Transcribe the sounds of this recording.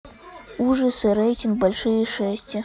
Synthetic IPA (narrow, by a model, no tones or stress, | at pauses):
uʐɐsɨɾɛjtʲinɡ̚balʲʂɨjɐiʂɛsʲt͡sʲi